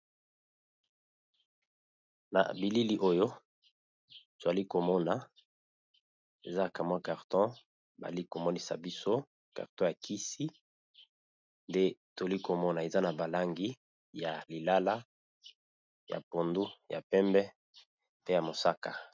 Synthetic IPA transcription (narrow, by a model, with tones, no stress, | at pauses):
na̰˨bi˨li˦li˦ʔo˦jo˦ | to˨a˨li˦ko˨mɔ˦na˨ | e˨za˦˨ka˨mwa˦ka˨ʁtɔ̃˦ | ba̰˨li˦ko˨mɔ˦ni˦sa̰˨bi˦so˦ | ka̰˨ʁtɔ̃˦ja˨kʰi˦si˦ | nde˦to˨a˨li˦ko˨mɔ˦na˨e˨za˦na˨ba˨la˦ŋɡi˦ | ja˨li˨la˦la˦ | ja̰˨po˨ndu˦ja̰˨pɛ˦mbɛ˦ | pe˦ja˨mo˨sa˦ka˨